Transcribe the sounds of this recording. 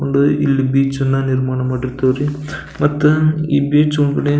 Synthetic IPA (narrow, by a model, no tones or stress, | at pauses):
oɳɖuḭlːibiːt͡ʃɐnːɐniɾmaːɳɐmaːɽiɾt̪ɐʋɾi | mɐt̪ːuḭːbiːt͡ʃoɳkɐɽe